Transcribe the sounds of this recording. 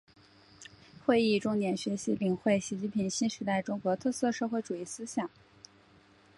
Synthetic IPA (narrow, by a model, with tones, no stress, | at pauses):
xwe˥˧ɪi˥˧ʈ͡ʂʊ˥ŋnjɛ˧˥nɕɥɛ˧˥ɕi˧˥li˨˩ŋxwe˥˩ɪɕi˧˥t͡ɕi˥˩pʰi˧˥ŋɕi˥nʂɻ̩˧˥t̪a˥˩ɪʈ͡ʂʊ˥ŋkwɔ˧˥t̪ʰɤ˥˧sɤ˥˧ʂɤ˥˧xwe˥˩ɪʈ͡ʂu˨˩i˥˩sɹ̩˥ɕjɑ˨˩˦ŋ